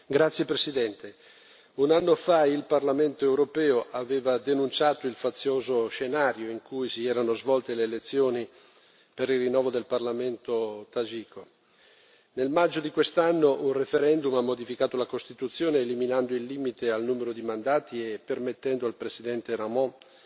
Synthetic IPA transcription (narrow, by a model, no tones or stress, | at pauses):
ɡɾat̪sːjepɾesid̪ɛnt̪e | unanːofailparlament̪oewɾopɛːoʔaveːvad̪enunt͡ʃaːt̪oilfat̪sːjoːzoʃenaːɾjoiŋkujsiɛːɾanozvɔlt̪eleːlet̪sːjoːni | peɾilrːinːɔːvod̪elparlament̪ot̪ad͡ʒiːkʰo | nelmad͡ʒːod̪ikwest̪anːoʔunrefeɾɛnd̪umamːod̪ifikaːt̪olakost̪it̪ut̪sːjoːneːliminand̪oilːiːmit̪ealnuːmeɾod̪imand̪aːt̪iepermet̪ːɛnd̪oalpɾesid̪ɛnt̪eɾamɔ̃